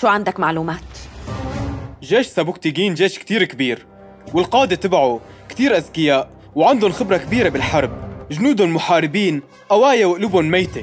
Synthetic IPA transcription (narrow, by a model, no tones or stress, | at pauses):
ʃuːʕand̪akmaʕluːmaːt̪ | ʒeːʃsabʊk̚t̪iɡiːnʒeːʃkt̪iːɾkbiːɾ | wɪlqɑːd̪et̪ɪbʕu | kt̪iːɾʔazkɪjaːʔ | wʕand̪ʊnxɪbɾˤɑkbiːɾebɪlħɑɾˤb̚ʒnuːd̪ʊlmʊħaːɾɪbiːn | ʔawaːjawʔlubhʊnmejt̪e